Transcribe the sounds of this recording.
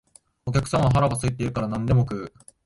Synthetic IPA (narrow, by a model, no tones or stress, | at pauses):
o̞kʲakɯ̟̥sãɰ̃aɦaɾaɡasɨit̪̬ːe̞iɾɯ̟kaɾanãnd̪e̞mo̞kɯ̟ː